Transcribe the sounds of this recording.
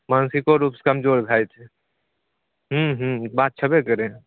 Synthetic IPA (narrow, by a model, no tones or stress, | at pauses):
mansikoɾupskəmd͡ʒoːɾɡʱajt͡ʃ̪ʰɛ | ɦũɦ̩bat̪̚t͡ʃʰəbekəɾẽ